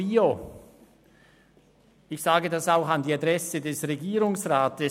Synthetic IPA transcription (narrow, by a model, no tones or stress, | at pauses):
iːo | ɪçsaːɡədasaʊxandiːadʁɛsədɛsʁeɡiːʁʊŋsʁaːtəs